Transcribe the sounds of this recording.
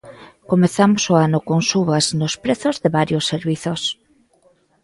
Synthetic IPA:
komeθamosoanokoŋsuβaznospɾeθozðeβaɾjosːeɾβiθos

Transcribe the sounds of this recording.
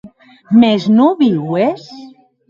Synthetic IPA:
meznuβiwes

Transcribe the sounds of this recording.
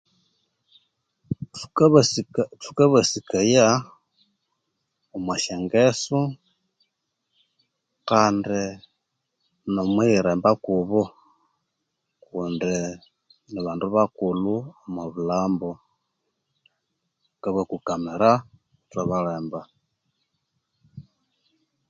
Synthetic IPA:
st͡sukaβasikaja | omwaʃeŋɡesu | kaːndi | nomwiiɾeːmbakuβo | kundi | niβaːnduβakuluamaβulaːmbo | kaβakukameɾa | utwaβaɾeːmba

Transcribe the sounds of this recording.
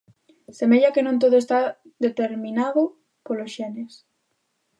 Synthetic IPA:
semeʎakenõnt̪̬oðoest̪a | ðet̪eɾmĩnaðo | polosʃɛnes

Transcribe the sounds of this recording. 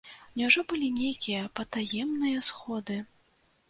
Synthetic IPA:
nʲɛwʐɔbɨlʲinʲejkʲijɐpɐt̪ajɛmnɨjɐsxɔd̪ɨ

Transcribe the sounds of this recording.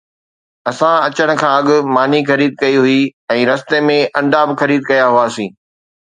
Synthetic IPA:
ɐsãɐt͡ɕəɽ̃̆kʰãːɐɠʊ̆maːnixɐɾiːd̪̚kɐiɦʊiɛ̃ːɾɐst̪emẽʔɐ̃ɳɖaːbɪxɐɾiːd̪̚kɐjaɦuaːsĩː

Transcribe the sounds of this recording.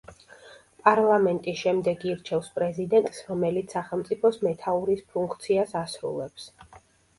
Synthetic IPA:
pʼaɾlˠamɛnt̪ʼisʃɛmd̪ɛɡiɾt͡ʃʰɛfspʼɾɛzid̪ɛnt̪ʼsɾɔmɛlit̪ssːaχɛlˠmt̪sʼipʰɔsmɛt̪ʰauɾispʰuŋkʰt̪sʰiasasɾṵlˠɛps

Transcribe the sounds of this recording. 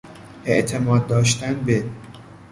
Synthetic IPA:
ʔeʔt̪ʰemɒːd̪̚ːɒːʃt̪ænbe

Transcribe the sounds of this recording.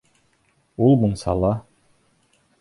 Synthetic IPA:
ulˠmunsɑ̰lˠɑ

